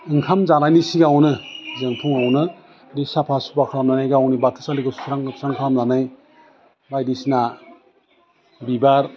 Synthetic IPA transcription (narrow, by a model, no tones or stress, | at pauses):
ɯŋkʰamzanajnisiɡawnɯzɯŋpʰuŋawnɯ | disapʰasupakʰɾamnanajɡawnibatʰɯsaliɡɯsu̥sɾaŋʰsɾaŋkʰɾamzanaj | bajdisna | bibaɾ